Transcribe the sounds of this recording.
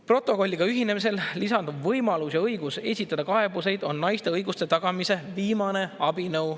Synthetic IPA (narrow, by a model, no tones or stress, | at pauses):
pro̞t̪ˑːo̞ko̞lʲːiɡ̥ɑyɦine̞mis̬e̞llisɑnd̪ubvɤjmɑlusjɑɤ̞jɡ̥use̞sʲit̪ːˑɑd̪̥ɑkɑe̞buse̞jd̪o̞nːɑjst̪e̞ɤjɡust̪e̞t̪ɑɡ̥ɑmise̞viːmɑne̞ɑbinɤuw